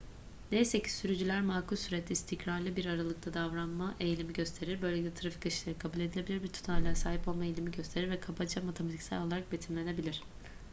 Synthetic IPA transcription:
nejsecʰi̥syɾyd͡ʒylʲæɾmaːkusyɾet̪ʰːst̪ʰicɾaɾlʲˠɯbiɾaɾalˠɯkt̪ʰad̪avɾanmaʔe̞jlʲimiɟø̞st̪ʰe̞ɾiɾbø̞jlʲec̪ʲɛt̪ʰɯɾafi̥caʃɯlˠaɾɯkʰabulʲe̞d̪ilebilʲiɾbiɾt̪ʰy̥t̪ʰalʲaːasaːɦipo̞lˠmaejlʲimiɟø̞st̪ʰe̞ɾiɾvɛkʰabad͡ʒamot̪ʰemat̪ʰi̥csælʲo̞lˠaɾak̚be̞t̪ʰimlʲe̞ne̞bilʲiɾ̥

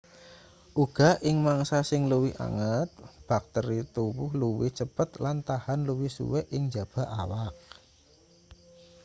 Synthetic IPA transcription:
ʔuɡ̥a̤ʔɪŋmaŋsasɪŋləwɪha̰ŋət̪̚b̥a̤k̚t̪ɛɾit̪uwʊhluwɪht͡ʃəpət̪lant̪ahanluwɪhsṵwɛʔɪŋd͡ʒa̤b̥a̤ʔa̰wak̚

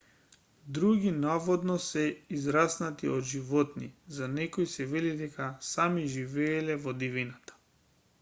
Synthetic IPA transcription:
d̪ɾuɡinavɔd̪nɔsɛizɾasnat̪iod̪ʒivɔt̪nḭzanɛkojsɛvɛlid̪ɛkasamiʒivɛːlɛvɔd̪ivinat̪ḁ

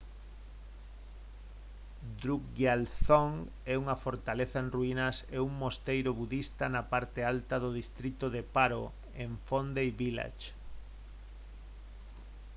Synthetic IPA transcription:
d̪ɾukɡjalθoŋ | ɛuŋɐfoɾt̪aleθɐenruinɐseuŋmost̪ejɾʊβuðist̪ɐnapaɾt̪ealt̪ɐðʊðist̪ɾit̪oðepaɾo̰ | eɱfond̪ejβila̰t͡ʃ

